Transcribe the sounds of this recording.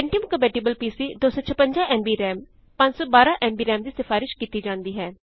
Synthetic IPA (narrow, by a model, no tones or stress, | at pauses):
ɪɳʈijəmkəmpeːʈiːbəlpiːsiːd̪oːsɔːt͡ʃʰəpəɲd͡ʒaːʔɛːmbiːɾɛːm | pɐ̃ɲd͡ʒsɔːbaːɾãːʔɛːmbiːɾɛːmd̪iːsɪfʰaːɾɪʃkiːt̪iːd͡ʒãːnd̪iːɦɛː